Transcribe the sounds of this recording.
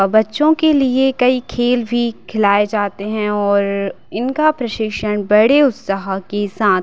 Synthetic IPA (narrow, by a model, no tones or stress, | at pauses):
bɐtːʃõkeliekɐikʰeːlbʱikʰɪlaːed͡ʒaːt̪eɦɛ̃ɔːɾ | ɪnkapɾɐʃɪkʃənbɐɽeʊt̪səɦakesaːt̪